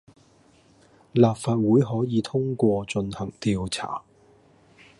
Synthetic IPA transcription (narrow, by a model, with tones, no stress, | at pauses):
laː˨p̚faː˧t̚wuː˨˥jɦɔː˨˥jiː˨˧t̪ʰʊ˥ŋkʷɔː˧t͡sɵ˧nhɐ˨˩ŋt̪iː˧wt͡sʰa̰ː˨˩